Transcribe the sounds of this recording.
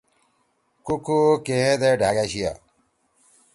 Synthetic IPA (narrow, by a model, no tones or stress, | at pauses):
kukukeɦẽd̪eɖʱaɡaɕija̰